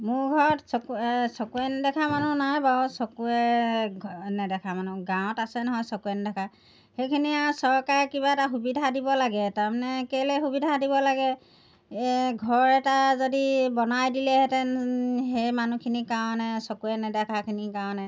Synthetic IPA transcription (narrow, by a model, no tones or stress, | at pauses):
mʊɹɡʱɔɹɔtsɔksɔkuɛndɛkʰamanunajbaɔsɔkuɛɡʱnɛdɛkʰamanuɡãw̃ɔ̃tasɛnɔɦɔjsɔkuɛndɛkʰa | xejkʰiniasɔɹkaɹkiβaɛtaxubidʱadibɔlaɡɛtaɹmanɛkejlɛxubidʱadibɔlaɡɛ | ɡʱɔɹɹɛtazodibɔnajdilɛɦɛtɛɦejmanukʰinikaw̃nɛsɔkuɛnɛdɛkʰakʰinikaw̃nɛ